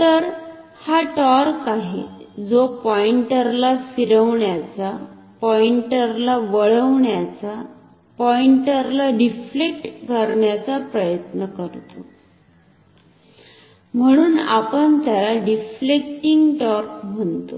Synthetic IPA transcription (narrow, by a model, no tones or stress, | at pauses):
tt̪əɾ | haʈɔɾkaɦḛd͡zopɔiɳʈəɾlafiɾəʋɳjat͡sa | pɔiɳʈəɾlaʋəɭəʋɳjat͡sa | pɔiɳʈəɾlaɖiflek̚ʈkəɾɳjat͡sapɾəjət̪nəkəɾt̪o | m̤əɽ̃uːna̰pəɳt̪jalaɖiflek̚ʈiŋɡʈɔɾkm̤əɳt̪o